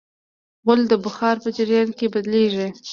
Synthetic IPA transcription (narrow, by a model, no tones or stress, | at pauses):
ɣʊld̪əbʊxɑɾpəd͡ʒaɾjɑnkebad̪leʒi